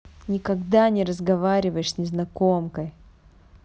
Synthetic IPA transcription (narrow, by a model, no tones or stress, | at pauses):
nʲɪkɐɡd̪anʲɪɾəzɡɐvaɾʲɪvəjɪʂsʲnʲɪznɐkomkəj